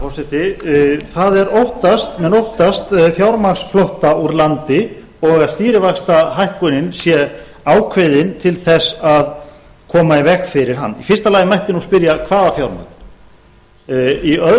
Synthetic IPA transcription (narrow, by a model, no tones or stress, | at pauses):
ɔsɪht̪ɪθaðɛɾowht̪ast̪mɛnowht̪ast̪fjawɾmaksflowht̪auɾlant̪ɪ | ɔɣaðst̪iːɾɪvakst̪aɦajhkʏnɪnsjɛ | aːwkʰvɪðɪnt̪ʰɪlθɛsað | kʰɔːmaivɛxfɪɾɪɾ̥ɦa̰nːḭfɪr̥st̪alaːjɪmajht̪ɪnuspɪɾjakʰvaːðafjawɾma̰n | iœð